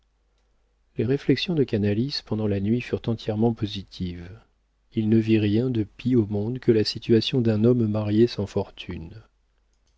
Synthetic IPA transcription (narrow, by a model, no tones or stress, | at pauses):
leʁeflɛksjɔ̃d̪əkanalispɑ̃d̪ɑ̃lanɥifyʁt̪ɑ̃t̪jɛʁmɑ̃pozit̪ʰiv | ilnəviʁjɛ̃d̪əpiomɔ̃d̪kʰəlasit̪ɥasjɔ̃d̪ɛ̃nɔmːaʁjesɑ̃fɔʁt̪ʰyn